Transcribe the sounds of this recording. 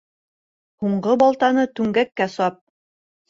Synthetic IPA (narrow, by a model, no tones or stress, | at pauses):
huɴɢɤbɑlˠt̪ɑnɤt̪ʉŋɡækːæsɑp̚